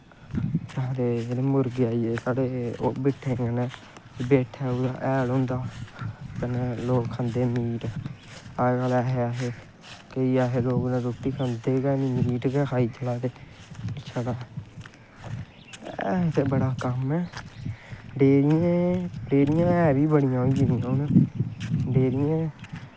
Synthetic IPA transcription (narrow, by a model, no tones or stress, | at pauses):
t͡ʃad̪eːeneːmʊɾɡiaːiːeːsaːɽeːobɪʈʰeːjãːnɛː | beːʈʰɛːod̪a̰ːʔɛːlõːnd̪aːt̪ənɛːloːkkʰãːnd̪eːmiːʈ | aːɡalɛːɦeaːɦeː | kəiːaːɦeːloːɡnãːɾoːt̪ːiːkʰãːnd̪eːɡɛːnimiːʈɡɛːkʰaːiːt͡ʃəlaːt̪eːɪt͡ʃʰaːdaː | t̪ebəɽaːkəmɛː | ɖeːɾɪjẽːɖeːɾɪjãːɛːʋiːbəɽɪjãːiːd͡ʒɪnɪjãːnɛː | ɖeːɾɪjẽː